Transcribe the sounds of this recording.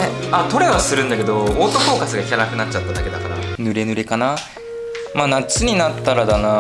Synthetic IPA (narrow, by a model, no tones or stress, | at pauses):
eat̪o̞ɾe̞βasɨɾɯ̟̃nd̪ake̞d̪o̞oːt̪ofo̞ːkasɨɡakʲaɾakɯ̟nat͡ɕ̚ːat̪ːad̪ake̞d̪akaɾa̰nɯ̟ɾe̞nɯ̟ɾe̞kana | maːnat͡sɨɲ̟inat̪ːaɾad̪ana